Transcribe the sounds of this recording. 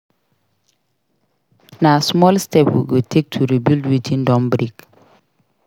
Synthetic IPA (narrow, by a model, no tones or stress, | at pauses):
nasmɔlstɛpwḭɡotʰek̚tʰuɾibildwitʰĩndɔ̃mbɾik